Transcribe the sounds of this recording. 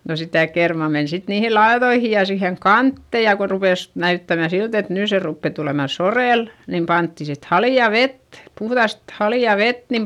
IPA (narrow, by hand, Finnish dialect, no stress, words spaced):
no sitæ kermɑˑ men sit niːhi lɑeðoihi jɑ siheŋ kɑntːe jɑ ko rupeˑs næytːæmæ silt et nyˑ se rupːe tuleˑmɑ soreˑl nim pɑntːi sit hɑliɑ ʋet puhðɑst hɑliɑˑ ʋet nim